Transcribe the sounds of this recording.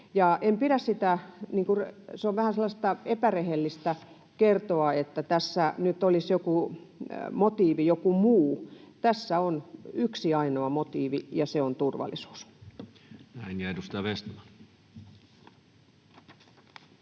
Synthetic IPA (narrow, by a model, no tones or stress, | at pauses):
jɑempiɾæssit̪æniːŋkuseoʋʋæhænselːɑst̪ɑepærehelːist̪æ | kert̪oɑet̪ːæt̪æsːænyt̪olisjoku | mot̪iːʋijokumuːt̪æsːæonyksiɑinoɑmot̪iːʋḭjɑseont̪urʋɑ̰lːˑisu̥ːs | næinjɑedust̪ɑjɑʋest̪mɑn